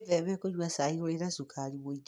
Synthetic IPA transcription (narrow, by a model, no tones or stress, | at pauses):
vɛmɛkoɲwasaiɣoeɾasukʰaɾiβoid͡ʒ